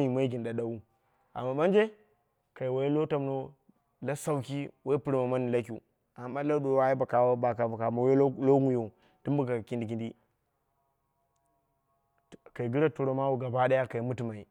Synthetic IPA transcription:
i˨ma˦i˦ɡi˨nda˨ɗa˨˦wu˦ | a̰˨mːa˨ɓa˦nd͡ʒe˦ | ka˨i˨wa˨je˦lo˦ta˨m˨no˦ | la˦sa˦wki˦wa˦i˦pu˦ɾma˨ma˦ni˨la˦k̬ʲṵ˨ | a˨mːa˦la˦ɗo˨wa˦i˦ba˨ka˨wa˦ba˨ka˨ba˨ka˨ma˨we˦lo˦ɡu˦jo˨ | d̥u˦mbu˦ɡa˨ki˦ndi˨ɡi˦ndi˦ | ka˨i˨ɡi˦ɾa˦tu˨ɾo˨ma˦wu˨ɡa˨ba˦ɗa˦ja˦ka˨i˨mu˦ti˨ma˨i˨

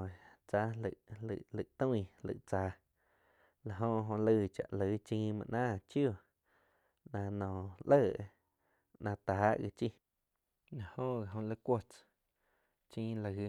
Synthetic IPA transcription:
t͡sa˦lə̰˨ʔɨ̰˧˨ʔlɨ˨t̪ũ˦ĩ˧lɨ̰˧˨ʔt͡saː˨˦ | la˨ɦõ˧ɦõ˧lɨ˧t͡ʃa̰˨ʔlə˨˧t͡ʃĩː˧˦mã̰˧ʔnãː˦˨t͡ʃjo˦˧˨ | nã˧nɔ̃ː˨lə˦˧˨ | nã˧t̪aː˨˦ʔɣi˧t͡ʃi˦ | na˨hõ˦ɣa˨ɦõ˧lə˧kʷo˦t͡s | t͡ʃĩː˦la˨ɣi˧

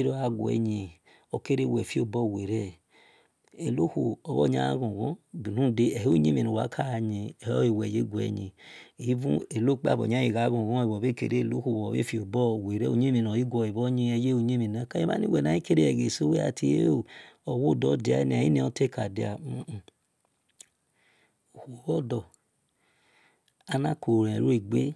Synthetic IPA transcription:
ɾo˦a˨ɡʷɛ̰˨ɲi˨ | o˨ke˦ɾe˦˨wɛ˨fi˦o˨bɔ˦˨we˨ɾɛ˦˨ | e˨lo˦hu˨ɔ˨βɔ̰˦ɲa̰˦ɡõ˨ɡɔ̃˦bi˨nũ˦˨de˦ɛ˨ho˦ɲe˦mi˨no˨wa̰˨˦kʰa˦a˨ɲe˨˦ɔ˦i˨wɛ˨je˦ɡʷu˨ɛ̰˨ɲḭ˨i˦vṵ̃˦e˨lo˦k͡pa̰˦˨bɔ̰˨ɲa˦ji˨ɡa˨˦ɡũ˦˨ɡɔ̃˦e˧˨bɔ˨be˦˨kḛ˨ɾe˦˨lo˦ku˨wɔ˨bḛ˦fi˨o˨bɔ˦˨we˨ɾe˦o˨ɲe˦mĩ˨nɔ˨i˦ɡʷɔ˧e˨bɔ˦ɲi˧ɛ˧je˦o˧ɲe˦mĩ˨na˨˦ka˦ẽ˦ba̰˦nḭ˦wɛ˨na˨i˦ke˦ɾe˦ɛ˨ɡe˨so˦we˦a̰˧˨ti˧e˦o˦˨ɔ˨wo˦˨dɔ˨˦di˨a̰˨˦ni˨a˨ji˦ni˧ɔ˧te˦˨ka˨di˨a̰˨˦˨ | o˨ho˨bɔ˦dɔ˨ | a˧na˦ko˨ɾẽ˨ɾo˦i˨ɡ͡be˦

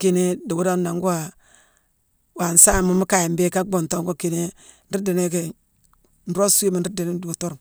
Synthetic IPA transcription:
ke˨ne˦da˨wu˦da˦n˦a˨ŋ˦ɡu˦wa˨ | wa˨n̩˨sa˦˨mu˨˦mu˦ka˨ji˨mbe˦ka˦ɡ͡bo˨nto˦ŋ˦ɡo˦ke˨ne˦ | n̩˦i˦de˨ne˦ke˨ | n̩˨ɾo˦su˦i˦ma˨n̩˦ɾi˦de˨ne˦du˨a˨to˦ɾu˨m

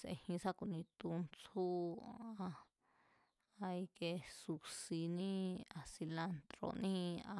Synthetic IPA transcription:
sḛ˧hĩ˧sa˦ku˧nĩ˧t̪u˧nt͡su˦a˧ | a˧i˧ke˧su˧si˧nĩ˦a˧si˧la˧nt̪ɾo̰˧nĩ˦a˧

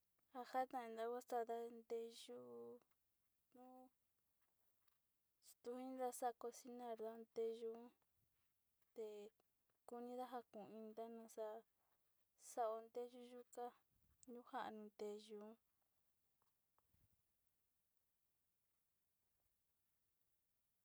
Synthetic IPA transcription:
a˧ha˦t̪ã˧ĩ˧nd̪a˧wʷa˦t̪a˧ða˧nd̪e˧ʒu˦ | nũ˦ | st̪u˧hĩ˦nða˧sa˦˧ko˧si˦nã˧˨ɾða˦˧nd̪e˧ʒu˧˦ | t̪e˧˨ | ku˧nĩ˧˦ða˦ɦa˧kũ˨ĩ˧nd̪a˦nã˧˨sa˧ | sa˧ʔo˧nd̪e˦ʒu˦ʒu˦ka˦ | ɲũ˦ha˦ʔa̰˧˨nũ˧nd̪e˧ʒu˧˦

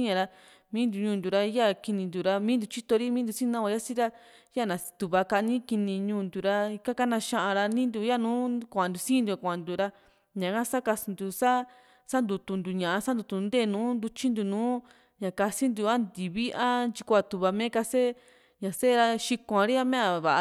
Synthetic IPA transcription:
i˦ɲã˧ɾa˧ | mĩː˦nd̪u˧ɲũː˧nd̪u˨ɾa˧˦ja˦ki˧nĩ˧nd̪u˨ɾa˧mĩ˦nd̪u˧t͡ʃi˦t̪o˧ɾi˦mĩ˦d̪u˧sĩ˦nã˦a˧ja˦si˦ɾa˧ | ja˦˨nã˨t̪u˨βa˧ka˧ʔnĩ˦ki˧nĩ˧ɲũː˧nd̪u˨ɾa˧i˧ka˦ka˦nã˧ʃã˧ʔã˧ɾa˧nĩ˦nd̪u˧ja˦nũː˨˦kʷã˧˨nd̪u˨˧sĩ˦˧nd̪u˧a˨kʷã˨ã˨nd̪u˧ɾa˧ | ɲã˨ka˦sa˦ka˧si˧nd̪u˧sa˦ | sa˦nd̪u˧t̪u˧nd̪u˧˨ɲã˨ʔa˧sa˦nd̪u˧t̪u˧nd̪eː˦˨nũː˨˦nd̪u˧t͡ʃi˦nd̪u˧nũː˨˦ | ɲã˨ka˧si˦nd̪u˧a˦nd̪i˨βi˦ʔa˦nt͡ʃi˧kʷa˧t̪u˨βa˧mẽ˦ka˧se˦ | ɲã˨se˦˧ɾa˧ʃi˧kʷã˧ɾi˦a˧mẽ˦a˧˨βa˨ʔ

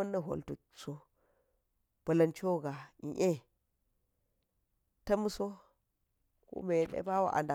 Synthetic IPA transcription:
ɐ˦nːa˦ɦo̰˨ltu˨ | so˦ | b̥ɐ˨lɐ˨nt͡ʃo˦ɡa˨ḭ˨ʔe˦ | tɐ˦mu˦so˦ | ko̰˦me˨nḛ˦ba˦wa̰˦ʔa̰˨nda˨

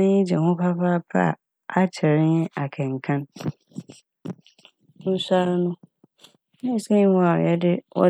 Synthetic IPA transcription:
ã˦ɲɪ̃˦d͡ʑɛ˨hʊ̃˦pʰa˦pa˦˨pʰa̰˦˨ | a˦t͡ɕʰɛ˨ɾɪ˦ɲɛ̃˦ʔa˨kʰɛ̃˨ŋ̩˨kʰã˦n | n̩˦sa˦ɾnʊ̃˦ | nɛ̃˦˨sɛ̃˦wɔ̃˦a̰˨ɛ˦dɪ˦wʔɔ̰˦

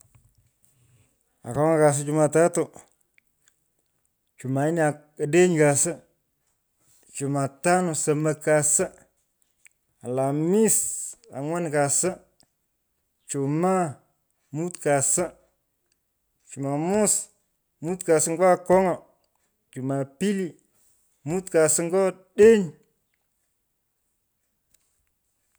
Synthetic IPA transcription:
a̰˨ko˦ŋa˨ka˨s̬ɪ˦t͡ʃu˨ma˨ta˦tʊ˨ | t͡ʃu˨ma˨i˦n˦a˨ | a˨de˦ɲka˨sɪ˦ | t͡ʃu˨ma˨ta˦nʊ˨sa˨ma˨ka˨sɪ˦ | a˨la˨mi˦sa̰˨ŋwa˦nka˨sə˦ | t͡ʃo˨ma˦ | mu˦tka˨sə˦ | t͡ʃu˨ma˨mu˦s | mu˦tka˨sə˦ŋɡo˦a˦ko˦ŋo˨ | t͡ʃu˨ma˨pi˦li˨ | mu˦tka˨sə˦ŋ˦ɡo˦ɗe˦n

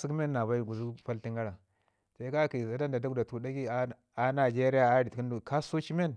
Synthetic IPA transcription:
si˦kme˦nːa˨βa˦i˦˨ɡu˨zu˦pa˦li˦ŋɡa˦ɾa˨ | sa˨i˦ka˦ki˨sa˨da˦nda˨da˦ɡu˦da˨tu˨da˦ɡi˦a˦ | a˦na˨d͡ʒe˦ɾi˦ja˨a˦di˨ti˦ndu˨ka˦so˦t͡ʃi˦me˦n

